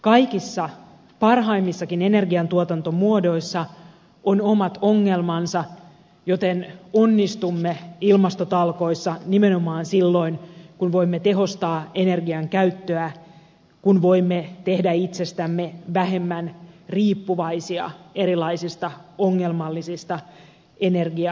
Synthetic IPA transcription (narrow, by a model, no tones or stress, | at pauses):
kɑjkisːɑ | pɑrɦɑimːisːɑkinene̞rɡiɑnt̪uot̪ɑnt̪omuodoisːɑ | onomɑt̪o̞ŋːe̞lmɑnsɑ | jo̞t̪enonːist̪umːeilmɑst̪ot̪ɑlko̞isːɑnimenomɑːnsilːo̞inkunʋo̞imːet̪e̞ɦo̞st̪ɑːene̞rɡiɑŋkæyt̪ːøæ | kunʋoimːet̪ehdæit̪sest̪æmːeʋæɦe̞mːænriːpːuʋɑisiɑ̰eɾilɑisist̪ɑoŋːelmɑlːisist̪ɑ | enerɡiɑ